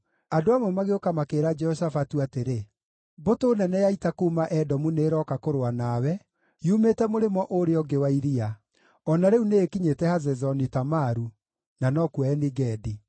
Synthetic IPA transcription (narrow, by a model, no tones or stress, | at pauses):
adoamɔmaɣeokamakeɾad͡ʒɛɔsafatuateɾe | botoːnɛnɛjaitakuːmaʔɛdɔmuneːɾɔkakoɾoanawɛ | jumetɛmoɾemɔʔoɾeɔɡewaiɾia | ɔnaɾeuneːkiɲetɛhazɛzɔnitamaɾu | nanɔkuaɛniɡɛdi